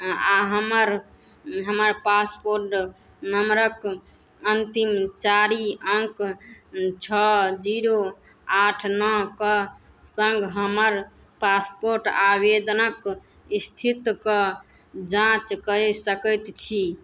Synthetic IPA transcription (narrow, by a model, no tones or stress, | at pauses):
aɦəməɾ | ɦəməɾpaspoɾʈ | nəmɾək | ənt̪imt͡ʃaɾiəŋk | t͡ʃʰɔd͡ʒiɾo | aʈʰnəkə | səŋɡʱɦəməɾ | paspoɾʈabed̪nək | ist̪ʰit̪kə | d͡ʒãt͡ʃkəjsəkət̪t͡ʃʰi